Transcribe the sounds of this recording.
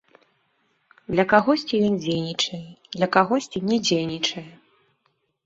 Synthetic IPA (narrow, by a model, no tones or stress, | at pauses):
d̪lʲɐkaɣɔsʲt͡sʲijɔnd͡zʲejnʲit͡ʂɐjɛd̪lʲɐkaɣɔsʲt͡sʲinʲɛd͡zʲejnʲit͡ʂɐjɛ